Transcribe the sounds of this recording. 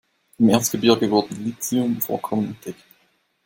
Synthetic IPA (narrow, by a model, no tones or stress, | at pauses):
ʔɪmʔeɐt͡sstɡ̥əbɪɐɡəvʊɐdn̩liːt͡sɛʊmfo̰ːɐkʰɔmənɛnt̚d̥ɛk